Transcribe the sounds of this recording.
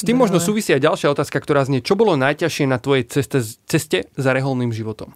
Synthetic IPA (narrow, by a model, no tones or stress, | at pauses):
st̪iːmːɔʒnɔsuːʋisiajɟalʃɪaɔt̪aːskakt̪ɔɾaːzɲɛt͡ʃɔbɔlɔnajcaʃɪɛnat̪ʋɔjɛjɛt̪ɛt͡sɛscɛzaɾɛɦɔlniːmʒiʋɔt̪ɔm